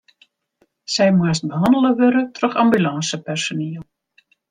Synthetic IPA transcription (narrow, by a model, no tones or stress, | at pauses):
sɛjmast̚bəɦɑndələʋøɾətrøχɑmbylɑnsəpɛrsoniːəlˠ